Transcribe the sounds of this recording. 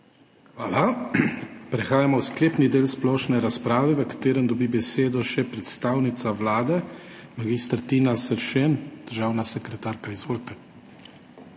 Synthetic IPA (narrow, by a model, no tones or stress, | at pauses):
xʋaːla | pɾɛxaːjamɔwskleːpnid̪eːlsplɔːʃnɛɾaspɾaːʋɛʋəkḁt̪eːɾənd̪ɔbibɛseːd̪ɔʃɛpɾɛt̪st̪aːwnit̪saʋlaːd̪ɛ | maɡist̪ɾt̪inasəɾʃend̪̥əɾʒaːwnasɛkɾɛt̪aːɾkaizʋoːlt̪ɛ